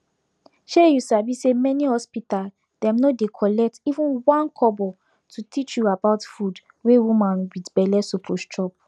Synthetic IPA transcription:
ʃejusabisemɛnihɔspital | dɛ̃mnɔdekʰɔlɛk̚tivũnwãnkʰɔbɔ | tʰutʰit͡ʃjuabaʊtfud | wewumãnwitbɛlɛsokʰlostʰɹɔp̚

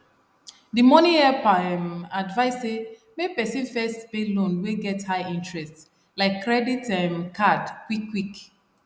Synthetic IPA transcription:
dimɔnĩɛpaɛmadvaɪse | mepɛsĩnfɛstbelõnweɡɛthaɪĩntɹɛsts | laɪkːɹɛditɛmkʰadkwikːwik

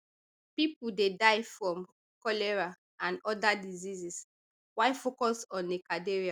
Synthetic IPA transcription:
pipudedaɪfɹɔ̃m | kɔlɛɹa | ãnɔdadizizis | waɪfokɔsɔ̃nːikadeɹia

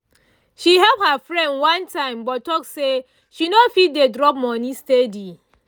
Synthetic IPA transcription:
ʃiɦɛlp̚hafɹɛ̃ndwãntʰãɪ̃mbɔttːɔkse | ʃinofit̚dedɹɔp̚mɔnĩstedi

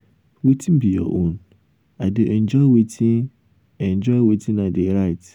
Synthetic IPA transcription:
wetʰĩnbijɔ̰ʔõn | adeʔɛ̃nd͡ʒɔɪwetʰĩn | ɛ̃nd͡ʒɔwetʰĩnadeɾaɪt

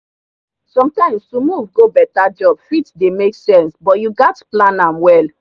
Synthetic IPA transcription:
sɔ̃mtãɪ̃mstumuvɡobɛtad͡ʒɔbfitdemeksɛ̃nsbɔtjuɡatplãnãmwɛl

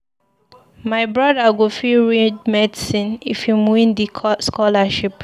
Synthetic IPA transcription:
maɪbɹɔdaɡofiɹidmɛdisĩnifjumwĩndiskɔlaʃip

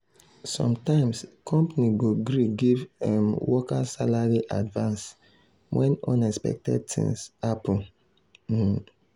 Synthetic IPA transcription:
sɔ̰̃mtãɪ̃mskʰɔ̃mpaniɡoɡɾiɡivɛ̃mwɔkasalaɹiʔadvãns | wɛ̃nɔ̃nɛspɛ̰k̚tɛ̰d̚tʰḭ̃ŋsapũ

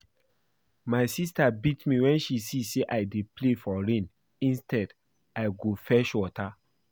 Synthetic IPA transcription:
maɪsistabitmiwɛ̃nʃisiseʔaɪdeplefɔɹẽn | ĩnstɛd | aɪɡofɛʃwɔta

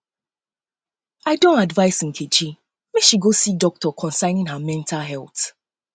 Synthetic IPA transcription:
aɪdõntadvaɪsĩn̩kʰet͡ʃi | meʃiɡosidɔk̚tɔkʰɔ̃nsãɪ̃nĩŋɦamɛ̃ntʰalɦɛlˠθ

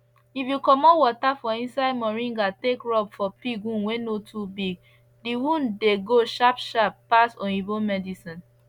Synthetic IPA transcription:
ifjukɔmɔwɔtafɔĩnsaɪdmɔɹĩŋɡatekɹɔbfɔpiɡũnwenotubiɡ̚ | diwũndeɡoʃapʃapːasɔ̃nibomɛdisĩn

